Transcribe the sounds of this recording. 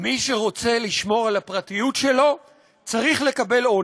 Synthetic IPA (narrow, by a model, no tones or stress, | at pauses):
miʃe̞ʁo̞t͡se̞liʃmo̞ʁalhapʁatijutʃe̞lo̞ | t͡saʁiχle̞kabe̞lo